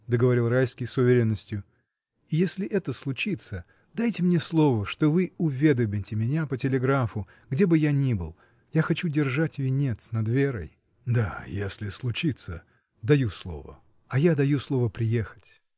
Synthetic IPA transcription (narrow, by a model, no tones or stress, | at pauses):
d̪əɡəvɐɾʲilˠrajskʲɪjsʊvʲɪɾʲenːəsʲtʲjʊ | ɪjesʲlʲɪʔɛt̪əslˠʊt͡ɕit̪sə | d̪ajtʲɪmnʲeslˠo̞vəʂt̪o̞vɨʊvʲe̞d̪əmʲɪtʲɪmʲɪnʲapətʲɪlʲɪɡɾafʊ | ɡdʲe̞bɨjanʲibɨ̰lˠ | jaxɐt͡ɕudʲɪrʐatʲvʲɪnʲet̪snɐd̪vʲeɾə̰j | d̪a̰jesʲlʲɪslˠʊt͡ɕit̪sə | d̪ɐjuslˠo̞̰və̰ | ɐjad̪ɐjuslˠo̞vəpɾʲɪje̞xə̥tʲ